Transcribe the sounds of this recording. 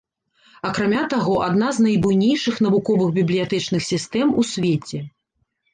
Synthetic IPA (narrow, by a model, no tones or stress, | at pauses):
ɐkɾamʲat̪aɣɔʔad̪naznɐjbujnʲejʂɨxn̪ɐvukɔvɨɣbʲiblʲijat̪ɛt͡ʂnɨxsʲist̪ɛmusʲvʲet͡sʲɛ